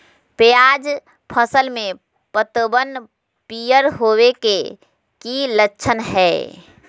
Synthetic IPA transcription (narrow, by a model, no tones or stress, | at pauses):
peaːd͡ʒ | pʰəsəlmẽ | pət̪bən | pijəɾɦoːweke | kilətːʃʰənɦɛː